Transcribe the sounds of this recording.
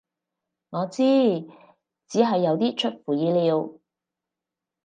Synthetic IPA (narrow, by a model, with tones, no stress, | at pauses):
ŋɔː˨˧t͡siː˥ | t͡siː˨˥ɦɐ˨jːɐ˨˧wt̪iː˥t͡ʃʰɵ˥t̚fuː˨˩jiː˨˧liː˨˧w